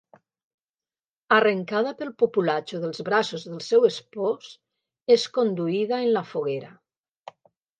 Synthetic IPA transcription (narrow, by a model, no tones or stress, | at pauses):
arəŋkað̞apəlˠpopulat͡ʃuðəlˠzβɾasozðəlˠsɛwespos | eskond̪uiðaenlafuɣ̞eɾa